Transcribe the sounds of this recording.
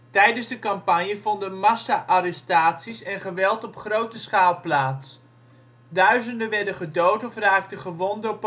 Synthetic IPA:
tɛjdənzdəkɑmpanjəvɔndəmasaʔaɾɛstaːtsisɛnχəʋɛlˠtɔpχrowtəsχaːlˠplaːts | dœɥzəndəʋɛɹdəχədowtɔfraːk̚təχəʋɔndəp

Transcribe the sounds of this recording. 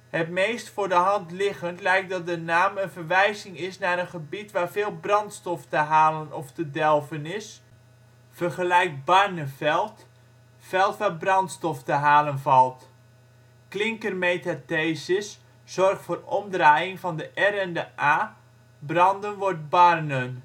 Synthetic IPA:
hətmejstfʊːrdəɦɑntlɪɣəntlɛjk̚dɑt̚dənaːmənvərʋɛjzɪŋɪsnaɾənχəbitʋaːrvɪːlˠbrɑntstɔftəɦaːlənɔftədɛlˠvənɪs | fərχəlɛjk̚barnəfɛlˠt | fɛlˠtʋaːbrɑntstɔftəɦaːlənvɑlˠt | klɪŋkərmejtateːsɪsː | ɔrχtfʊːrɔmdraːjɪŋvɑndəʔɛrɛndəʔaː | brɑndənʋɔrt̚barnən

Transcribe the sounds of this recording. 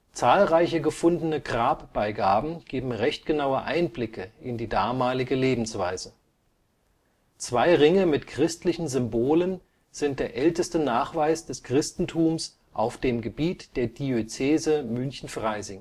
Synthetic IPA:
t͡saːlʁaɪçəɡəfʊndənəɡʁaːpb̥aɪɡaːbm̩ɡ̥eːbm̩ʁɛçt̚ɡ̥ənaʊəʔa̰ɪnblɪkʰəʔɪndiːdaːmaːlɪɡəleːbm̩sv̥aɪzə | t͡sv̥aɪʁɪŋəmɪtkʁ̥ɪstlɪçn̩zʏmboːlən | z̥ɪnt̚d̥eːɐʔɛltəstənaːχv̥aɪsd̥ɛskʁ̥ɪstn̩tʰuːms | ʔaʊfd̥eːmɡəbiːtd̥eːɐd̥iøt͡seːzəmʏnçn̩fʁ̥aɪzɪŋ

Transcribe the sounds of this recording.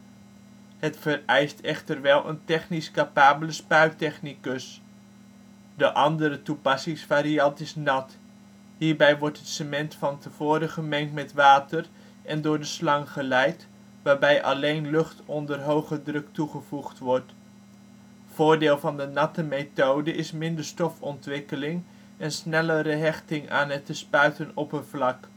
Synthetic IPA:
hətfərɛjstɛχtərʋɛlˠʔə̰ntɛχniskapaːbələspœɥtɛχnikəs | dəʔɑndəɾətupɑsɪŋsfaːɾiɑntɪsnɑt | ɦiːɹbɛjʋɔɹtɦətsəmɛntfɑntəv̥ʊːɾəχəmɛŋtmɛtʋaːtər | ʔɛndʊːɹdəslɑŋχəlɛjt | ʋaːɹbɛjʔɑ̰lejnlɵχtɔndərɦowχədrɵk̚tuχəv̥uχtʋɔɹt | v̥ʊːɹdɪːlˠvɑndənɑtəmejtowdəʔɪsmɪndəɹstɔfɔntʋɪkəlɪŋ | ɛnsnɛləɾəɦɛχtɪŋa̰ːnɦətəspœɥtənɔpənvlɑk

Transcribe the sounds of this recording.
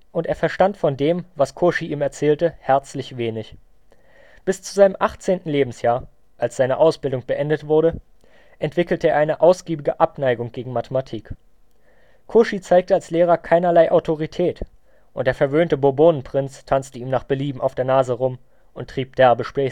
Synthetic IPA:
ʔʊnteːɐfɛɐʃtantfɔndeːmvaskʰoʃiʔiːmɛɐt͡sɛːltəhɛɐt͡slɪçv̥eːnɪç | b̥ɪst͡suzaɪnəmʔaχt͡seːntn̩leːbm̩sjaːɐ | ʔalsz̥aɪnəʔaʊsb̥ɪldʊŋb̥əʔɛndətv̥ʊɐɾə | ʔɛntv̥ɪkl̩təeːɐʔaɪnəʔaʊsɡ̥iːbɪɡəʔapnaɪɡʊŋɡ̥eːɡŋ̩matʰəmatʰiːk | kʰoʃit͡saɪk̚təalsleːʁ̞ɐkʰaɪnɐlaɪʔaʊtʰoʁitʰɛːt | ʔʊntd̥eːɐfɛɐvøːntəboboːnən̩pʁ̥ɪnt͡stʰant͡stəiːmnaːχb̥əliːbm̩ʔa̰ʊfd̥eːɐnaːzəʁʊm | ʔʊntːʁ̥iːp̚d̥ɛɐbəʃpʁ̥ɛː

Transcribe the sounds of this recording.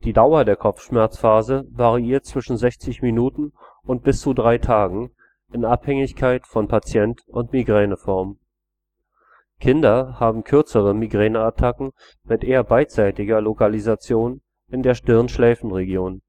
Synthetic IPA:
d̥iːdaʊɐdeːɐkʰɔp͡fʃmɛɐt͡sfaːzəvaʁiiːɐt̚t͡sv̥ɪʃn̩zɛçt͡sɪçminuːtn̩ | ʊnt̚b̥ɪst͡sudʁaɪtʰaːɡŋ̩ | ʔɪnʔaphɛŋɪçkʰaɪtfɔnpʰat͡sjɛntʊntmiɡʁɛːnəfɔɐm | kʰɪndɐhaːbm̩kʰʏɐt͡səʁəmiɡʁɛːnəatʰakŋ̩ | mɪtʔeːɐbaɪt͡saɪtɪɡɐlokalizat͡sjoːn | ɪndeːɐʃtɪʁənʃlɛːfn̩ʁeɡjoːn

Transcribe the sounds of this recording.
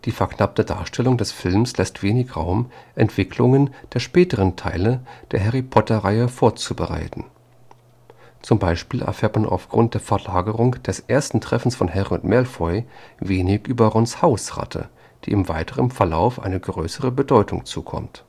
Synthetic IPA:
d̥iːfɛɐknap̚təda̰ːɐʃtʰɛlʊŋdɛsfɪlmslɛstv̥eːnɪçʁaʊmʔɛntv̥ɪkʰlʊŋənd̥eːɐʃpɛːtəʁəntʰa̰ɪləd̥eːɐɦɛʁipʰɔtɐʁaɪəfoːɐt͡subəʁa̰ɪtn̩ | t͡sʊmbaɪʃpiːlʔɛ̰ɐfɛːɐtmana̰ʊfɡ̥ʁʊnt̚d̥eːɐfɛɐlaːɡəʁʊŋd̥ɛsʔeːɐstn̩tʁ̥ɛfn̩sfɔnhɛʁʊntmɛɐlfɔʏveːnɪçʔyːbɐʁɔnshaʊsʁa̰tʰə̰ | d̥ḭːʔɪmvaɪtʰəʁənfɛɐla̰ʊfʔa̰ɪnəɡʁøːsəʁəbədɔʏtʰʊ̰ŋt͡suːkʰɔ̰mt

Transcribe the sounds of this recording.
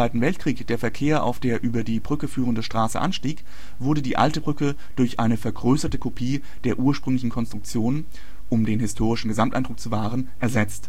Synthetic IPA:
v̥aɪtn̩vɛltkʁ̥iːkd̥eːɐfɛɐkʰeːɐʔa̰ʊfd̥eːɐʔyːbɐdiːbʁʏkəfyːʁ̞əndəʃtʁ̥aːsə̰ʔa̰nʃtiːk | v̥ʊɐdədiːʔa̰ltəbʁʏkə | d̥ʊɐçʔaɪnəfɛɐɡʁøːsɐtəkʰopʰiː | d̥eːɐʔuːɐʃpʁ̥ʏŋlɪçn̩kʰɔnstʁ̥ʊk̚t͡sjoːnən | ʔʊmdeːnhɪstʰoːʁ̞ɪʃn̩ɡəzamtʔa̰ɪndʁʊk̚t͡suvaːʁ̞ənʔɛɐzɛt͡st

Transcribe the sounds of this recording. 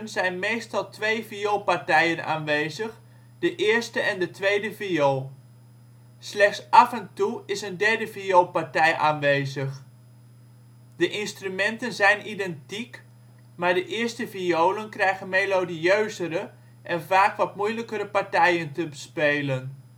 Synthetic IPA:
nzɛjnmejstɑlˠtʰʋejviolˠpaɹtɛjəna̰ːnʋejzəχ | dəʔɪːɹstəʔɛndətʋejdəviol | slɛχtsɑfɛntuɪsəndɛɹdəviolpaɹtɛjʔaːnʋeːzəχ | d̥əʔɪnstrymɛntənzɛjnʔidɛntik | maːɹdəʔɪːstəviowlənkrɛjɣənmejlodiøɥzəɾə | ʔɛnvaːkʋɑtmujləkəɾəpaɹtɛjəntəbəspeːlən

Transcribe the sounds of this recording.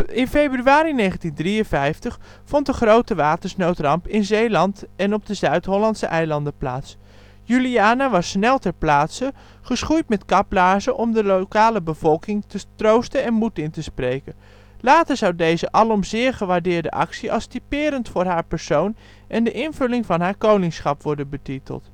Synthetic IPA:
ɪnfejbryaːɾinejχəntindriənvɛjftəχ | fɔntdəχrowtəʋaːtəɹsnowtrɑmpɪnzejlɑntɛnɔb̚dəzœɥtɦɔlɑntsəʔɛjlɑndəplaːts | jyliaːnaʋɑsːnɛlˠtɛɹplaːtsə | χəsχujtmɛtkɑplaːɹzəʔɔmdəlokaːləbəv̥ɔlˠkɪŋtətrowstənɛnmutɪntəsprejkən | laːtəɹz̥ɑwdejzəʔɑlˠɔmzɪːɹχəʋaːɹdɪːɹdə̰ʔɑ̰ksiɑ̰lˠstipɪːɾəntfʊːɹɦaːɹpɛɹsown | ʔɛndəʔɪnvɵlɪŋvɑnɦaːɹkownɪŋsχɑpʋɔɹdənbətitə̰lˠt

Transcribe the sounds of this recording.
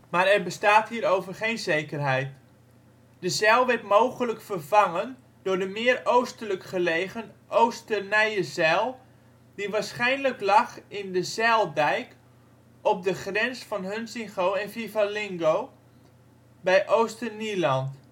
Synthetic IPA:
maːɾɛrbəstaːthiːɾowvərχejnzejkərɦɛjt | d̥əzɛlˠʋɛtmoːχələkfərvɑŋən | d̥ʊːrdəmɪərowstələkχəlejχənʔowstənɛjəzɛlˠ | diʋaːɹsχɛjnləklɑχɪndəzɛlˠdɛjk | ʔɔp̚dəχrɛnsfɑnɦənsɪŋχowɛnfivalɪŋɡoː | bɛjʔowstənilɑnt

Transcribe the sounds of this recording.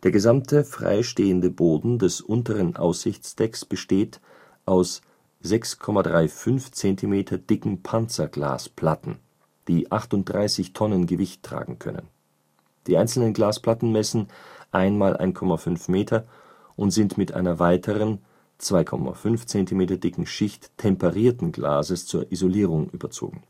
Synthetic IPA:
d̥eːɐɡəzamtʰəfʁ̥a̰ɪʃteːəndəboːdn̩dɛsʔʊntəʁənʔa̰ʊsz̥ɪçt͡sd̥ɛksb̥əʃteːt | ʔaʊs | z̥ɛkskʰɔmadʁaɪfʏnft͡sɛntʰimeːtʰɐd̥ɪkŋ̩pʰant͡sɐɡla̰ːspʰl̥atn̩ | d̥iːʔaχtʊnt̚d̥ʁaɪsɪçtʰɔnənɡəvɪçtʰːʁ̥a̰ːɡŋ̩kʰœ̰nə̰n | d̥iːʔaɪnt͡sl̩nənɡlaːspl̥atn̩mɛsn̩ʔaɪnmaːlʔa̰ɪnkʰɔmafʏnfmeːtʰɐ | ʔʊntz̥ɪntmɪtʔa̰ɪnɐvaɪtʰəʁən | t͡sv̥aɪkʰɔ̰ma̰fʏnft͡sɛntimeːtɐdɪkŋ̩ʃɪçtʰːɛmpɛʁiːɐtn̩ɡla̰ːzəst͡suːɐʔizoliːʁʊŋʔy̰ːbɐt͡so̰ːɡŋ̩

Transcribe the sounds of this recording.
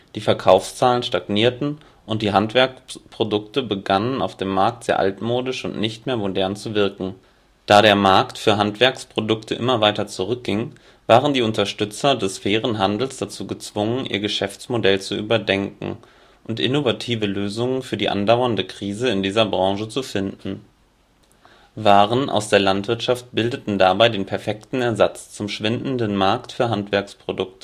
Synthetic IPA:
d̥iːfɛɐkʰaʊfst͡saːlənʃtaɡniːɐtn̩ | ʔʊnt̚d̥iːɦantv̥ɛɐkspʁ̥odʊktəbəɡanəna̰ʊfd̥eːmːaɐk̚tz̥eːɐʔa̰ltmoːdɪʃʊ̰ntnɪçtmeːɐmodɛɐnt͡suvɪɐkŋ̩ | d̥aːɾeːɐmaɐktfyːɐɦantv̥ɛɐkspʁ̥odʊktʰəʔɪmɐvaɪtɐt͡suʁʏk̚ɡ̥ɪŋ | vaːʁəndiːʊntɐʃtʏt͡sɐdɛsfɛːʁ̞ənɦandl̩sd̥at͡suːɡət͡sv̥ʊŋənʔḭːɐɡəʃɛft͡smodɛlt͡suʔy̰ːbɐdɛŋkŋ̩ | ʔʊntʔɪ̰novatʰiːvəløːzʊŋənfyːɐdiːʔa̰ndaʊɐndəkʁ̥iːzəɪndiːzɐbʁɑ̃ŋʒət͡sufɪndn̩ | vaːʁənʔa̰ʊsd̥eːɐlantv̥ɪɐtʃaft̚b̥ɪldətn̩dabaɪdeːnpʰɛɐfɛktn̩ɛɐzat͡st͡sʊmʃv̥ɪndn̩dənmaɐktfyːɐɦantv̥ɛɐkspʁ̥odʊktʰə̥

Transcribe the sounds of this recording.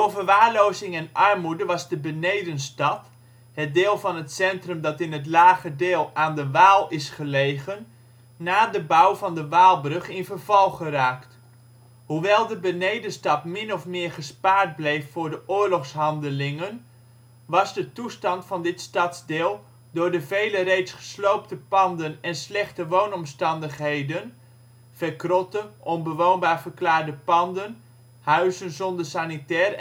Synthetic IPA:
ovərʋaːɹlowzɪŋɛnʔɑrmudəʋɑzdəbənejdənstɑt | ɦət̚dɪːlˠvɑnətsɛntrəmdɑtɪnət̬laːχədɪːlˠaːndəʋaːlˠɪsχəlejχənː | aːdəbawvɑndəʋaːlˠbrɵχɪnvərvɑlˠχəraːkt | huʋɛlˠdəbənejdənstɑtmɪnɔfmɪːɹχəspaːɹt̚blejfːʊːɹdəʔʊːɹlɔχsɦɑndəlɪŋən | ʋɑzdətustɑntfɑndɪtstɑtzdɪːlˠ | dʊːɹdəvejlərejtsχə̥slowp̚təpɑndənɛnslɛχtəʋoːnɔmstɑndəχɦejdən | fərkrɔtəʔɔnbəʋoːnbaːɹvəɹklaːɹdəpɑndən | hœɥzənzɔndəsanitɛːr

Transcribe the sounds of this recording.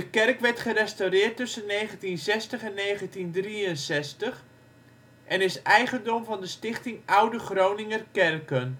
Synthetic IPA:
dəkɛrkʋɛrtχərɛstawrɪːrtɵsənːejχəntinsɛstəχɛnːejχəntindriənsɛstəχ | ʔɛnɪsɛjχəndɔmvɑndəstɪχtɪŋʌwdəχrownɪŋərkɛrkən

